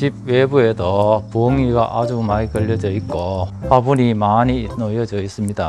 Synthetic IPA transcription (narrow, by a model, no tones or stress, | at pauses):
t͡ɕib̚webuedʌpoŋiɡaʔad͡ʑumaikʌʎːʌd͡ʑʌik͈opabunimaɲiːnʌjʌd͡ʑʌis͈ɯmɲida